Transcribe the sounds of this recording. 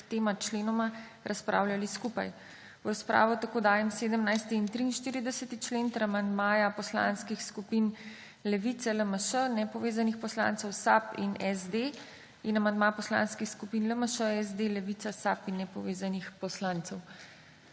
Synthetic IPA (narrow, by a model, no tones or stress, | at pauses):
t̪eːmat͡ʃleːnɔma | ɾʔaspɾʔa̰ːwljaliskupa̰j | wɾaspɾʔa̰ːʋɔt̪akoːd̪aːjɛmseːd̪əmnajst̪iːnt̪ɾiːnʃt̪iːɾid̪ɛsət̪it͡ʃleːnt̪əɾamand̪maːjapɔsla̰nskixskupin | lɛʋit̪sɛləməʃənɛpɔʋeːzanixpɔsla̰ːnt̪səwsapinɛzd̪e | inamand̪maːjapɔsla̰ːnskixskupinləməʃəɛzd̪elɛʋit̪sasapinːɛpɔʋeːzanixpɔslaːnt̪səw